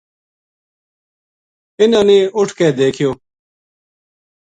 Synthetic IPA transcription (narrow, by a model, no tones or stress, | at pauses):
ɪnãːneːʊʈʰkeːd̪eːkʰɪjoː